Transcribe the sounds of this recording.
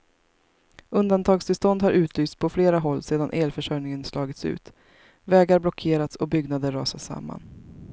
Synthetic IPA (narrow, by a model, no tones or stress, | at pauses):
ɵnd̪ant̪ʰɑːɡst̪ɪlst̪ɔnd̪haɾʔʉ̟ːt̪ʰlyːst̪pʰɔfleːɾaɦɔlːseːd̪anʔeːlfœʂœjnɪŋənslɑːɡɪt̪sʉ̟̰ːt̪ | vɛːɡaɾblɔkʰeːɾat̪sɔbʏɡnad̪əɾːɑːsasa̰mːa̰n